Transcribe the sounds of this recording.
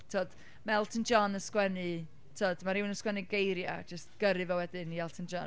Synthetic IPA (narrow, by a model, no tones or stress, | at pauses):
tʰoːd̥ | maɛlˠtʰənd͡ʒɔnəskwɛnɨ | tʰoːd̥maɾɪwnəskwɛnɨɡejɾja̰d͡ʒəst̚ɡ̥əɾɨvɛwɛdɨniɛlˠtʰənd͡ʒɔn